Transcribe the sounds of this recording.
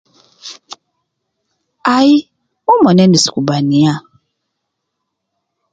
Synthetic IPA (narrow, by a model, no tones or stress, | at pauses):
ai | umɔnɛnisi̥kubania